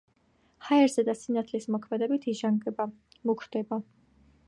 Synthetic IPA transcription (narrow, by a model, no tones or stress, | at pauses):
haɛɾzɛd̪asinat̪ʰlismɔkʰmɛd̪ɛbit̪ʰiʒaŋɡ | mukʰɾd̪̥ɛba